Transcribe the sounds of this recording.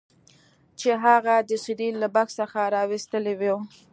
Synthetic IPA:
t͡ʃeɦaɣad̪əsɪɾilːabaksəxaɾɑwɪst̪əlewew

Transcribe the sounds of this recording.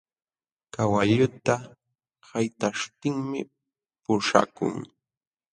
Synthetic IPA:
kawaʎʊt̪a | hajt̪aʂt̪ɪŋmɪ | pʊʂa̰kʊ̰ŋ

